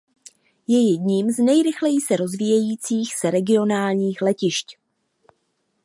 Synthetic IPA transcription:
jɛjɛdɲiːmznɛjɾɪxlɛjisɛɾo̞zviːjɛjiːt͡siːxsɛɾɛɡɪo̞naːlɲiːxlɛcɪʃc

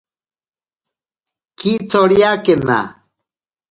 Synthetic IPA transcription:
kit͡soɽijakena̰

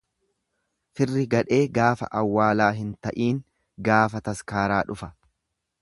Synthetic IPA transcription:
fɪrːɪɡɐᶑe̞ːɡaːfɐ̰ʔɐwːaːlaːɦɪnt̪ɐʔiːŋ | ɡaːfɐt̪ɐskaːɾaːᶑʊfɐ̥

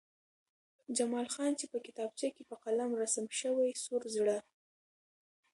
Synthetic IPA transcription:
d͡ʒamɑlxɑnt͡ʃepəkɪt̪ɑb̚t͡ʃɑkepəqalamɾasamʃəwajsoɾzɽa

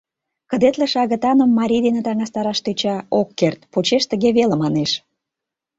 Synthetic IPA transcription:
kə̆d̪et̪leʃɑɣə̆t̪ɑnə̆mːɑɾʲid̪enə̆t̪ɑŋɑst̪ɑɾɑʃt̪øt͡ɕɑokːert̪̚pot͡ɕeʃt̪ə̆ɣeβelə̆mɑneʃ

